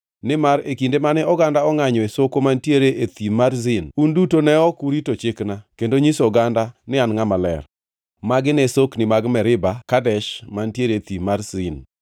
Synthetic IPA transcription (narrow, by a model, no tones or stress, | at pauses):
nɪmaɾekindemanɛɔɡandaɔŋaɲɔesokomantjeɾeʔet̪imaɾzɪnundutonɛɔkuɾitot͡ʃɪknakendoɲisɔɡandanɪanŋamalɛ̰r | maɡɪnesoknɪmaɡmɛɾɪbakadɛʃmantjeɾet̪imarzɪn